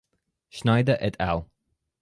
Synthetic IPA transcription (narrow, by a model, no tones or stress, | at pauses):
ʃnaɪdəʔɛtʰa̰lˠ